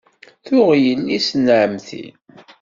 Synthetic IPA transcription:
θʊʁjəlːisənʕəmθḭn

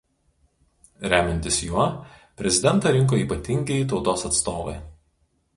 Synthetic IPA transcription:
ɾʲæːmʲɛnʲt̪ʲɪsjuɔ | pʲɾʲɛzʲɪd̪ʲɛnˑt̪ɐˑɾʲɪŋˑk̬oːiːˑpɐt̪ʲɪŋʲɡʲɛɪt̪ɒʊt̪oːsɐt̪st̪oːʋɐ̰ɪ

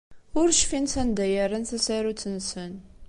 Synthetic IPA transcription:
ʊɾʃfinθænd̪æjəɾənθæsæɾut͡sːənsən

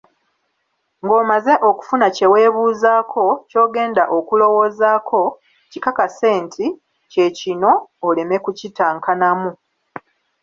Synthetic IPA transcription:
ŋɡo̞ːmaze̞ʔo̞ku̥funace̞we̞ːβuːzaːkʰo̞co̞ːɡe̞ːnda̰ʔo̞kulo̞wo̞ːzaːkʰo̞ | cikakase̞ːntʰi | ce̞cino̞ːle̞me̞kucitaːŋkanamu

